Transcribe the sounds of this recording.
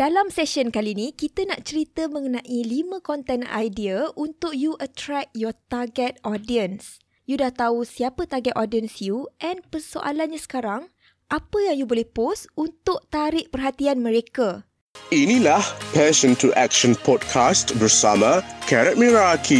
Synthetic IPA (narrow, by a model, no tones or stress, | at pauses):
d̥alamsɛʃənkalinĩkit̪ənaʔt͡ʃəɾit̪əmə̃ŋənãʔilimə̃kɔnt̪ɛna̰jdiəʔunt̪ʊk̚juʔət̪ɾɛk̚jɔt̪aɡɛt̪̚ɔdiə̃ns | judaht̪ausiapət̪aɡɛt̪ɔdiənsjuʔɛnpərso̰ʔa̰lanɲãsə̥kaɾaŋ | ʔapəjaŋjubolɛhhposunt̪ʊʔ̚t̪aɾɪʔ̚pərɦat̪ianmə̃ɾeka | inĩlahpɛʃə̃ntʰuʔɛkʃə̃npʰɔd̚kʰastbəɾsamãkʰɛɾɛt̚mĩɹakʰi